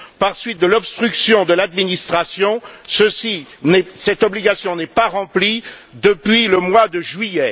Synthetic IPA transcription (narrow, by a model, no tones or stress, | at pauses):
paʁsɥit̪̚d̪əlɔbst̪χyksjɔ̃d̪əlad̪minist̪χasjɔ̃səsinɛsɛt̪ɔbliɡasjɔ̃nɛpaʁɑ̃pli | d̪əpɥiləmwad̪əʒɥijɛ